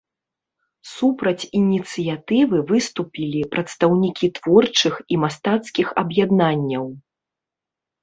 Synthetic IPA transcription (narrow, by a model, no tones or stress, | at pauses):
supɾɐt͡sʲinʲit̪sɨjat̪ɨvɨvɨst̪upʲilʲipɾɐt̪st̪ɐwnʲikʲit̪v̥ɔrt͡ʂɨximast̪at̪skʲixɐ̰bjad̪nanʲːɐw